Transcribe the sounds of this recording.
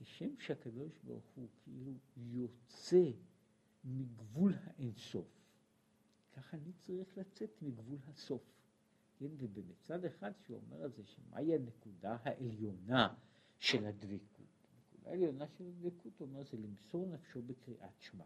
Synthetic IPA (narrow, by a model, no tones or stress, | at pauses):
heʃemʃeakado̞ʃba̰ʁχukʰeʔilujo̞t͡se̞ | miɡvulhaʔenso̞̰f | kʰaχanit͡saʁiχlat͡se̞t̪miɡvulɦaso̞f | kenvebemit͡sad̪eχad̪ʃeuo̞̰meʁalzeʃemʔa̰iane̞kudaɦaʔeljo̞na | ʃe̞lhad̪vikʰṵtnekud̪a̰eljo̞naʃelad̪vikut̪omeʁʃelimsoʁnafʃo̞bekʁiʔat̪ʃma̰